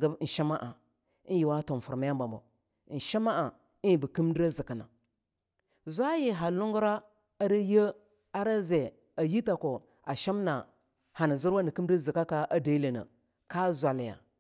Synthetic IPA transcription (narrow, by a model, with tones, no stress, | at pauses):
ɡa˦bn̩˨ʃi˦ma˦ʔa˨˦ | nji˨wa˦to˨n˨fu˨ɾma˦ja˦ba˨mbo̰˨ | n̩˨ʃi˦ma˦ʔa˨ | i˦i˨bə˨ki˦m˦dɾa˦zi˨ka˨na̰˨ | zʷa˦ji˨ɦa˨lu˦ŋɡu˦ɾa˦ | a˦ɾi˦jə˦ | a˦ɾa˦ze˨ | a˨ji˦ta˨ko˨ | a˨ʃi˦m˦na˨ | ha˨na˨zi˦ɾa˦ni˨ki˦m˦da˦zi˨ka˦ka˦ʔa˦da˨i˦le˨na̰˨ | ka˦zʷa˨lja̰˨